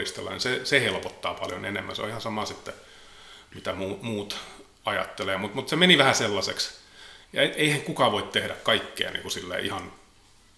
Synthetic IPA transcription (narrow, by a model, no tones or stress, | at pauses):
ist̪elːɑ̰nisesehelpot̪ːɑːpɑljo̰nenemːæ̰nseo̰ihɑnsɑmɑsit̪ːe | mit̪æmuːmuːt̪ | ɑjɑ̰t̪ːeleːmut̪mut̪semeniʋæhæselːɑseksjɑeeihæŋkukɑʋoit̪t̪ehɾækkɑikːḛːnḭŋkusilːḛʔihɑn